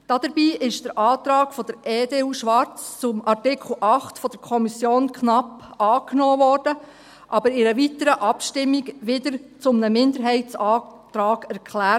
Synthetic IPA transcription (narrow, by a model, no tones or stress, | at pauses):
d̥ɑd̥̪əɾbiːʔɪʃd̥əɾʔɑːt̪ɾɑːɡ̥fɔd̥əɾeːdeːuːʃʋɑɾt͡st͡sʊmɑɾtɪkʰl̩ʔɑχtfɔd̥̪əɾkʰɔmisjoːnkʰnɑpɑːknɔːʋɔɾd̥ə | ʔɑbəɾɪɾəʋitəɾəʔɑpʃtɪmːiɡʋɪd̪əɾt͡sʊmnəmɪnd̪əɾɦɛɪt͡sɑːt̪ɾɑːɡ̥æɾkʰlæːt